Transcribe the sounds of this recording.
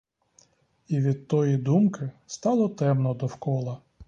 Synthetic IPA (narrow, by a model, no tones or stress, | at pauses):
iʋʲid̪̚t̪ɔjid̪umkɪst̪ɑlˠɔt̪ɛmnɔd̪ɔwkɔlˠɐ